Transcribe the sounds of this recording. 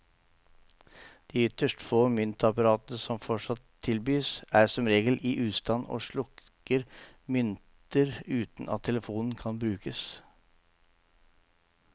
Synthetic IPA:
d̪̥iːʏt̪əʂʈfoːmʏnt̪əɑpɑɾɑːt̪ənəsɔmfɔʂɑt̪ʰːɪlbyːsæːsɔmɾeːɡəlʔiːʔʉːst̪ɑno̰ːʂɭʊk | əɾ | mʏnt̪əɾʉːt̪n̩ʔɑ̰t̪ʰːɛləfuːnn̩kʰɑnbɾʉːkəs

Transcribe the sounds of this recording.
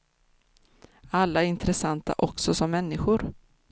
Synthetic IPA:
alːaæɾɪnt̪ɾɛsant̪a̰ʔɔksɔsɔmːɛnːɪɧʊɾ

